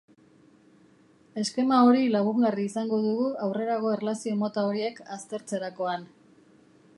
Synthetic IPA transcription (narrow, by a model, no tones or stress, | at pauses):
e̞ske̞mao̞ɾilaɣuɡariːsaŋɡo̞ðuɣuawre̞ɾaɣo̞erlasio̞mo̞t̪ao̞ɾie̞kast̪e̞ɾt͡se̞ɾako̞an